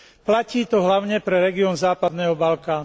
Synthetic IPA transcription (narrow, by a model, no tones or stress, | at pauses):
placiːt̪ɔɦlaʊɲɛpɾɛɾɛɡiɔnzaːpad̪nɛːɦɔbalkaːnu